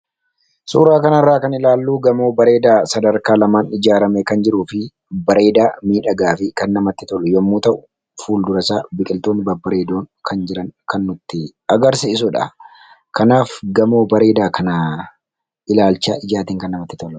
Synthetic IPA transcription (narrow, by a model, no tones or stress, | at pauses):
sṵːɾaːkɐnɐrːaːkɐnɪlaːlːuːɡɐmoːbɐɾe̞ːd̪aːsɐd̪ɐɾkaːlɐmaːnɪd͡ʒaːɾɐmɛkɐnd͡ʒɪɾuːfɪ | bɐɾe̞ːd̪aːmiːᶑɐɡaːfɪkɐnːɐmɐt̪ːɪt̪ɔlːɔjɔmːuːt̪ɐʔʊ | fuːld̪ʊɾɐsaːbɪkʼɪlt̪oːnːɪbɐbɐɾe̞ːd̪oːŋkʰɐnd͡ʒɪɾɐŋkɐnːʊt̪ːɪ | ɐɡɐɾsɪɪs̬ʊᶑɐ̰ | kɐnaːfɡɐmoːbɐɾe̞ːd̪aːkɐnɐ | ɪlaːlt͡ʃːaːʔɪd͡ʒaːt̪iːŋkɐnːɐmɐt̪ːɪ̥t̪ɔlʊ